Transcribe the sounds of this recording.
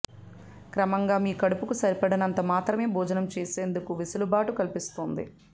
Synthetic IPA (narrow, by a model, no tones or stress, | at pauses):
kɾɐmɐŋɡaːmiːkɐɽupukusɐɾipɐɽɐnɐnt̪ɐmaːt̪ɾɐme̞ːbʱuːd͡ʒɐnɐmt͡ʃeːse̞ːnd̪ukuʋisulubaːʈukɐlipist̪oːnd̪ḭ